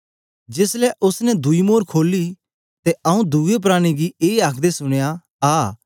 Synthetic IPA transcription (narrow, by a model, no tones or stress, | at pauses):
d͡ʒɪslɛʔʊsnɛd̪uimoːɾkʰoːli | t̪ɛɐũd̪uɡep̬ɾaːɽ̃iɡieːɐkʰd̪esʊɽ̃eja | aː